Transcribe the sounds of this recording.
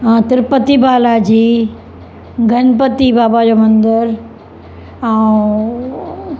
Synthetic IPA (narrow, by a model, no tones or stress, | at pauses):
ãt̪ɪɾpət̪ibaːlad͡ʑiː | ɡʱɐnpət̪ibaːbad͡ʑoːmɐ̃nd̪əɾ | a